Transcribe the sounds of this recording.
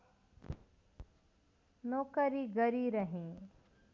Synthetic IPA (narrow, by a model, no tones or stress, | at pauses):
noːkəɾiɡəɾiɾɐɦẽː